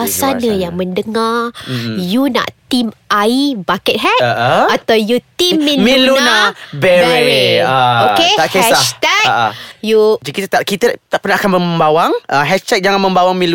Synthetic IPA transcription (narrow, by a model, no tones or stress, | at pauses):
asanəjaŋmə̃ndəŋa | juna̰ʔt̪imaibakət̪̚ɦɛtʔat̪awjut̪imːĩmĩlunabɾeeokeaʔkesat̪ɛk̚ʔjud͡ʒakit̪ət̪aʔkit̪ət̪aʔpənahakanməmbawaŋʔəɦɛʃt̪ɛk̚d͡ʒaŋanmə̃mbawaŋmĩlu